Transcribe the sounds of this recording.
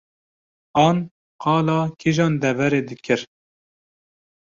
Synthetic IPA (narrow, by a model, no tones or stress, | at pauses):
ɑːn | qɑːlɑːkʰiʒɑːnd̪ɛvɛɾeːd̪ɨkʰɨɾ